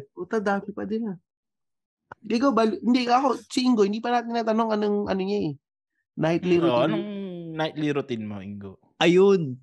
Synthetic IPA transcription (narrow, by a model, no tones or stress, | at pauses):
ot̪ɐd̪aːfɪpɐd̪ɪla | ɪɡawbalhɪnd̪ɛkɐko̞t͡ʃɪʔɪŋɡohɪnd̪iːpɐnaːt̪ɪŋnaːt̪ɐnoŋɐnoŋʔɐ̰noɲaɛ | naɪt̪lɪɾooɐnoŋnaɪt̪̚liɾot̪ɪnmo̰ʔɪ̰ŋɡo | ʔɐjon